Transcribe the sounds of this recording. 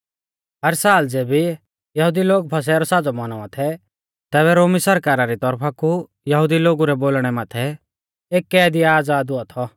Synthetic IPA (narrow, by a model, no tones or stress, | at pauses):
ɦɐɾsaːld͡zeːbi | jɐɦud̪iloːɡpʰɐs̬ɛɾɔsaːd͡zɔmɐnɔãt̪ʰɛ | t̪ɛːβɛɾoːmisɐɾkaːɾaɾit̪ɔɾpʰaku | jɐɦʊd̪iloːɡuɾɛboːlɽ̃ɛmaːt̪ʰɛ | eːkːɛːd̪iaːd͡zaːd̪ʊat̪ʰɔ